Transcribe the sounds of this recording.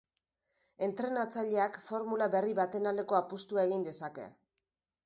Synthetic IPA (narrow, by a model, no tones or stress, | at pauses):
e̞nt̪ɾe̞nat͡saʎe̞akfo̞ɾmulaβe̞riβat̪e̞nald̪e̞ko̞apust̪uae̞ɣ̞ind̪e̞sake̞̰